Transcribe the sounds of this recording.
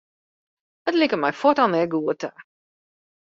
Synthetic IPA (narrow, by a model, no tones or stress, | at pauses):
ətlikəmɛjfɔtanɛɡuːətʰa